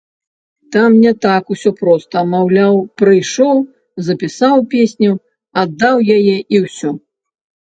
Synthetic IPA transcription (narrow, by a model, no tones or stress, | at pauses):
t̪amnʲɛt̪akusʲɔpɾɔst̪ɐmawlʲawpɾɨjʂɔw | zɐpʲisawpʲesʲnʲu | ad̪ːawjajɛʔiwsʲɔ